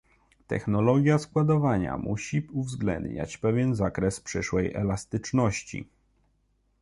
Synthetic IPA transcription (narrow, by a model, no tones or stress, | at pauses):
t̪ɛ̰xnɔlɔɡʲjaskwad̪ɔvaɲa̰muɕiuvzɡlɛ̰nd̪ɲa̰t͡ɕpɛvʲjɛnzakɾɛspʂɘʂwɛjʔɛ̰last̪ɘt͡ʂnɔɕt͡ɕḭ